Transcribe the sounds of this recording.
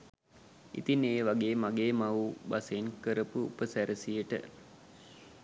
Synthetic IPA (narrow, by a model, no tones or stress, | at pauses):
ḭt̪ineːʋaɡeːmaɡeːmaubasenkəɾəpuṵpəsæɾəsijəʈə̰